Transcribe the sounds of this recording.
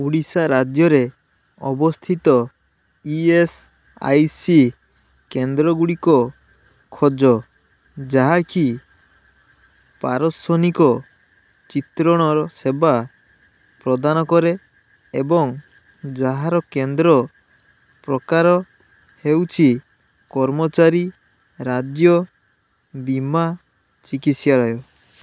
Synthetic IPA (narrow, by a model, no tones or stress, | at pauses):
uɽisaɾad͡ʒjɔɾe | ɔbɔst̪ʰit̪ɔ | ies | a̰jsi | kend̪ɾɔɡuɽikɔ | kʰɔd͡ʒɔ | d͡ʒaɦaki | paɾɔsɔnikɔ | t͡ʃit̪ɾɔɽ̃ɔɾɔseba | pɾɔd̪anɔkɔɾe | ebɔŋ | d͡ʒaɦaɾɔkend̪ɾɔ | pɾɔkaɾɔ | hewt͡ʃʰi | kɔɾmɔt͡ʃaɾi | ɾad͡ʒjɔ | bima | t͡ʃikisjaɭɔjɔ